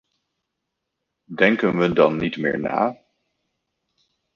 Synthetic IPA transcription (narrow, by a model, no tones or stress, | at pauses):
dɛŋkənʋədɑnːitmɪ̰ːɹna̰ː